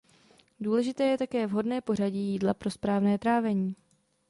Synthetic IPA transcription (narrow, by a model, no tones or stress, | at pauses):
duːlɛʒɪt̪ɛːjɛt̪akɛːvɦo̞dnɛːpo̞raɟɪjiːdlapɾo̞spɾaːvnɛːt̪ɾaːvɛɲiː